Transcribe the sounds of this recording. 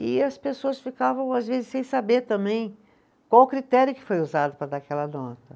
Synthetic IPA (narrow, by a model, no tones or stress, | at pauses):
ɪɐspesoɐsfikavɐ̃w̃azvezɪsẽj̃sabeɾt̪ɐ̃mbẽj̃ | kwawʊkɾit̪ɛɾjʊkɪ̥fojuzad̪ʊpɾɐd̪akɛlɐnɔt̪ɐ